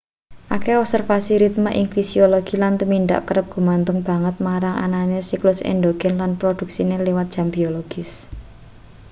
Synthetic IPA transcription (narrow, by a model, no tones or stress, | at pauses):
ʔakeɔp̚sɛrfasiɾit̪̚maʔɪŋfisioloɡ̥i̤lant̪uminɖ̪a̰ʔkəɾəp̚ɡ̥ṳmant̪ʊŋb̥a̤ŋət̪̚maɾaŋʔa̰nanesiklʊsɛ̰nɖ̪oɡ̥ɛnlanpɾod̪̥ṳk̚sinelewat̪̚ʒ̥a̤mbioloɡ̥ɪs